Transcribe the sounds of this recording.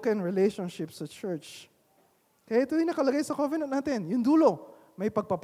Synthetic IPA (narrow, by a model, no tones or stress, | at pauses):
kɐ̃nɹɪlejʃonʃɪpsɐt͡ʃɛɹt͡ʃ | kɐjaʔɪt̪od̪inɐkɐlɐɡajsɐkovɛnɐnnaːt̪ɪnjʊŋd̪uːlo̞ | mɐjpɐɡ̚pɐp